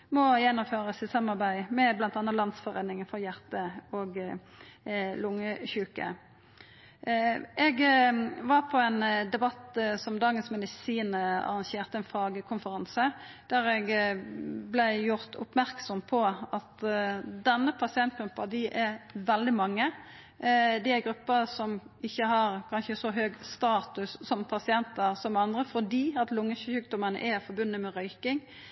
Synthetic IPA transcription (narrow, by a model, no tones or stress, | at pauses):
mɔjɛnːʊmføːɾəsɪsɑmːɑɾbæɪmɛblɑnt̪ɑːnːəlɑnsfɔʁeːd̪nɪŋənfɔɾjæʁt̪əoːɡ | lʊŋːəçʉːkə̰ | ʔɛɡʋɑʁpʰɔɛnd̪ɛbɑt̪sɔmd̪ɑːɡənsmɛd̪ɪsiːnəɑ̰ʁɑŋçeːʁt̪əɛnfɑːɡəkʰʊnfəʁɑnsə | d̪̥æːʁɛɡ | blɛɪjʊɾt̪ʊ̰pmæʁksɔmpʰɔɑt̪d̪ɛnːəpʰɑsɪɛnt̪̚ɡ̥ɾʉpːɑd̪ɪʔɛɾʋɛld̪ɪmɑŋːə | d̪ɪæɾɡɾʉpːəsɔmɪçːəɦɑɾkʰɑnʃəsɔɦøːɡst̪ɑːt̪ʉsːɔmpʰɑsɪɛnt̪əʁsɔmɑnd̪ʁəfɔd̪iːɑt̪lʊŋːəʃʉːkd̪ɔmənə̰ʔɛfɔɾbʉnːəmɛɾœʏkɪŋ